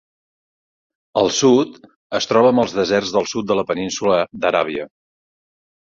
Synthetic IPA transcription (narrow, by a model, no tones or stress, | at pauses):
əlˠsut̪ | əst̪ɾɔβəːməlˠzðəzɛrzðəlˠsut̪̚d̪ələpəninsuləd̪əɾa̰β̞iə